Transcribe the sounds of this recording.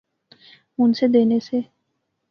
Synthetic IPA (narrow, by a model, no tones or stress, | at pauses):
unsed̪enese